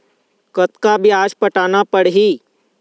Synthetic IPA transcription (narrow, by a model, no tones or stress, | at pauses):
kət̪kabʱiaːd͡ʒpəʈaːnapəɽɦiː